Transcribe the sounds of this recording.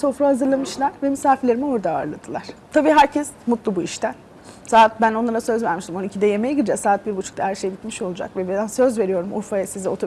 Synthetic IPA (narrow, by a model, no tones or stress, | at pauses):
so̞fɾahazɯɾlˠamɯʃlˠaɾvɛmisaːfiɾlʲeɾimio̞ɾd̪aːɾlˠad̪ʰɯlˠaɾ̥t̪ʰabiːɦæɾcʰɛsmut̪lˠubuiʃt̪ʰæn | saːt̪̚bæno̞nlˠaɾasø̞zvæɾmiʃt̪ʰimoicʰid̪ɛjemejiɟiɾd͡ʒɛksaːt̪̚biɾbut͡ʃʰu̥kt̪ʰahæɾʃe̞jibit̪miʃo̞lˠud͡ʒa̰kvɛbeænsø̞zve̞ɾijo̞ɾumʔuɾfajasizɛot̪ʰo